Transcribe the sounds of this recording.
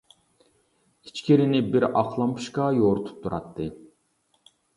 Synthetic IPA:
it͡ʃkʲʰiɾɪnɪbiɾɑqlˠɑmpʰu̥ʃkɑjoɾt̪ʰu̥p̚t̪ʰuɾɑt̪ʰːɨ

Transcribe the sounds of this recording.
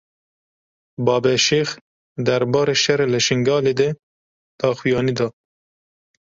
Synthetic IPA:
bɑːbeʃex | d̪aɾbɑːɾeʃaɾelaʃɪŋɡɑːled̪e | t̪ɑːxujɑːnid̪ɑ

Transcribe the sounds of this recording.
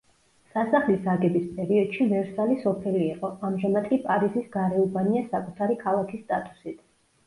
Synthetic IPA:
sasaχlisaɡɛbispʼɛɾiɔd̪̥ʃivɛɾsalisɔpʰɛliːqʼɔamʒamat̪kʼipʼaɾizisɡaɾɛubaniasakʼut̪ʰaɾikʰalˠakʰist̪ʼat̪ʼu̥sit̪ʰ

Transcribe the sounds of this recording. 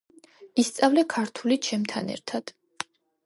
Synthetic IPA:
ist̪sʼavlɛkʰaɾt̪ʰulit͡ʃʰɛmt̪ʰanɛ̰ɾt̪ʰad̪̥

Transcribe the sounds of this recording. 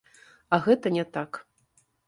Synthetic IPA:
aɣɛt̪ɐnʲɛt̪ak

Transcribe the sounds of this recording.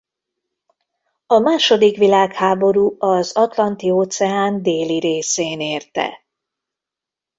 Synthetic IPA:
ɒmaːʃo̞d̪ikʋilaːkhaːbo̞ɾuːɒzɒt̪lɒnt̪ioːt̪sɛaːnd̪eːliɾeːseːneːrt̪ɛ̰

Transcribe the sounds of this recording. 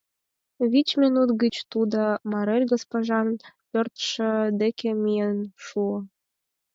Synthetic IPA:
βit͡ɕmʲinut̪ɡət͡ɕt̪ud̪ɤ̆mɑɾelʲɡospoʒɑnpʲørt̪ʃə̆d̪ekʲemʲiənʃuə̆

